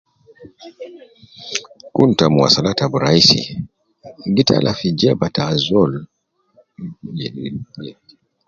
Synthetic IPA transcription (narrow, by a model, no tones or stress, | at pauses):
kuntamua̰salatabuɾaisḭ | ɡitʰa̰lʔafid͡ʒɛbatazɔl | ɛiɛ